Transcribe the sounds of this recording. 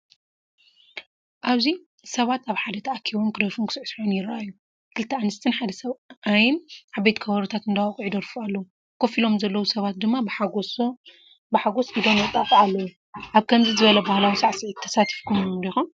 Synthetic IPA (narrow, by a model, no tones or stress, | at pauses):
ʔaβzi | sɐβat̪aβħad̪ɐt̪ʰɐʔakʰiβomkʰɨd̪oɾfunkʰɨsʕsħonjɪɾaʔajːu | kʰɨlɨt̪ʰːɐanɨst̪ʰɨnħad̪ɐsɐβajɪnʔaβbet̪kʰɐβɐɾut̪ʰat̪ɨnd̪awakʼʕid̪oɾfualːɐwu | kʰofilo̞mzɐlːɐwusɐβat̪̚d̪ɨmːabħaɡs | bɨħaɡo̞sʔid̪o̞mwɐt̪ʼat̪ialːɐwu | ʔaβkʰɐmzizɨβɐlɐbahlawisaʕsiʕit̪ʰːɐ̥sat̪ʰɨ̥fkʰumd̪ixum